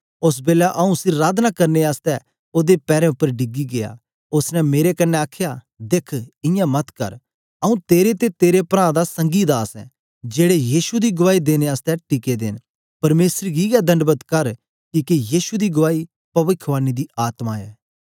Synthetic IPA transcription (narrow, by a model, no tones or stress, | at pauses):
ʊs̬beːlaʔɐũsɪɾːaːd̪nakɐɾneaːst̪ɛ | oːd̪epɛːɾɛ̃ʊpːəɾɖɪɡiɡeja̰ː | ʊsnɛ̃meːɾekɐnːɛ̃aːkʰja | d̪ekʰɪ̃jãmɐt̪kɐ̰ɾ | ɐũt̪eːɾet̪et̪eːɾepɾãːd̪asɐ̃ŋɡid̪aːsɛ̰ː | d͡ʒeːɽejiːʃud̪iɡʊʋaːid̪eːneaːst̪ɛʈiked̪ḛːn | pɐɾmeːsəɾɡiɡad̪ʱɐ̃ɳɖbət̪kɐɾ | kikijiːʃud̪iɡʊʋaːi | pɐʋɪkʰːʋaːnid̪iaːt̪maːɛ̰ː